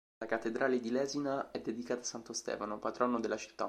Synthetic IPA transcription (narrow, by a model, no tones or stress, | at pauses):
lakat̪ːed̪ɾʔaːled̪ilɛːzinaɛd̪ːed̪ikaːt̪asant̪ost̪ɛ̰ːfanopat̪ɾɔnod̪elːat͡ʃi̥t̪ːa̰